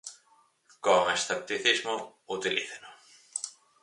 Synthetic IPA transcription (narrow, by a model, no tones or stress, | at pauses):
koŋesθep̚t̪iθizmʊut̪ilḭθenʊ